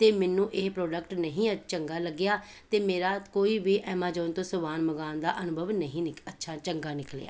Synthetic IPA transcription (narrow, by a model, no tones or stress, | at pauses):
t̪eːmɛnːũːʔeːpɾoːɖəkʈnəɦĩːət͡ʃəŋɡaːləɡːɪjaː | t̪eːmeːɾaːt̪koːiːbiːʔɛːmaːd͡ʒɔːnt̪õːsʊbaːnməɡaːnd̪aːʔənʊbʱəʋnəɦĩːnɪkətːʃʰaːt͡ʃəŋɡaːnɪklḛa̰ː